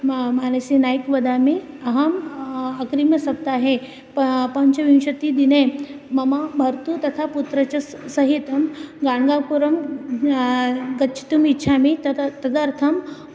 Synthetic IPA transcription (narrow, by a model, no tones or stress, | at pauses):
manɐsinajkʋɐd̪ami | ɐɦɐmɐkɾimjɐsɐp̚t̪aɦe | ppɐɲt͡ɕɐʋĩwɕɐt̪id̪inemɐmabʱɐɾt̪ut̪ɐt̪ʰaput̪ɾɐt͡ɕɐsɐɦit̪ɐmɡaɳɡapuɾɐm | ɡɐtːt͡ʃʰi̥t̪umitːɕʰamit̪ɐd̪aɾt̪ʰɐm